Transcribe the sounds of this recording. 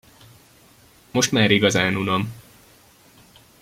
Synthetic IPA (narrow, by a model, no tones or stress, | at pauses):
mo̞ʃt̪maːɾiɡɒzaːnunom